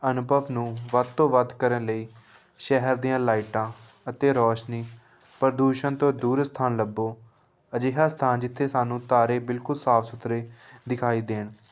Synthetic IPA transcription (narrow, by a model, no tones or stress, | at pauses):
ənʊbəʋnũːʋəd̪̚t̪õːʋəd̪kəɾənləiː | ʃɛɦəɾd̪iːãːlaːiʈãː | ət̪eːɾɔːʃniː | pəɾd̪uːʃənt̪õːd̪uːɾst̪ʰaːnləbːoː | əd͡ʒeːɦaːst̪ʰaːnd͡ʒɪt̪ʰːeːsaːnũːt̪aːɾeːbɪlkʊlsaːfʰsʊt̪ɾeːd̪ɪkʰaːiːd̪eːɳ